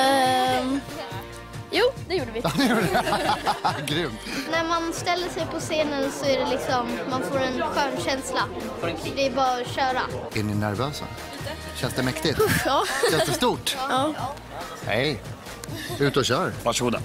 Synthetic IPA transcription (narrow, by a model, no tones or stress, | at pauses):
juːd̪ɛjuːɖəvɪɛjuːɖɛ | ɡɾʏmt̪næɾmanst̪ɛlːəʂɛjpʰɔseːnənsɔæɖɛlɪksɔmːanfoːɾɛnɧæːɳɕɛnsla | d̪ɛːbɑːɾɕœːɾa̰ɛɳɪnæɾvøːsa̰ | ɕɛnsd̪ɛmɛkt̪ɪt̪ɑːɛnd̪st̪uːʈː | ɛ̰j | ʉ̟ːt̪ɔɕœːɾvaʂəɡuːd̪a̰